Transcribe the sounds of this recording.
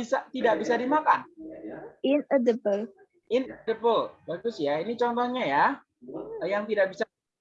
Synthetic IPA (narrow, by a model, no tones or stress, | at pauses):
isat̪idak̚bisadimakan | ɪnədəbəl | ʔɪnədəbəlbaɡʊsjainit͡ʃɔnt̪ɔhɲaja | jaŋt̪idak̚bisa